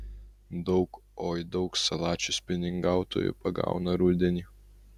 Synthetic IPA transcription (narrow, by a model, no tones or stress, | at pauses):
d̪ɒʊkoːjd̪ɒʊksɐlˠɑːt͡ʃʲʊspʲɪnʲɪŋɡɑˑʊt̪o̰ːjʊ̰pɐɡɑ̰ʊnɐɾʊd̪ʲɛnʲiː